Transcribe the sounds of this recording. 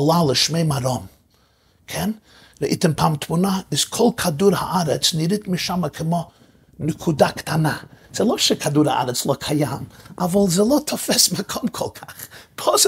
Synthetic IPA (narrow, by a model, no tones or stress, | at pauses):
lˠalˠəʃmeɪmaɾɔm | kʰɛn | ɾəʔḭtɪmpʰamtmunaɪzkʰɔlˠkʰaduɾha̰ʔaɾɛt͡snɪɾɪtmɪʃaməkʰɪmɔ | nɪkʰudaktʰanaz̥ɪlˠɔʃɛkʰaduːɾa̰ʔa̰ɾɛt͡slˠɔkʰajamavɔlˠzelˠɔtʰɔfɛsmakʰɔmkʰɔlˠkʰaχpʰɔs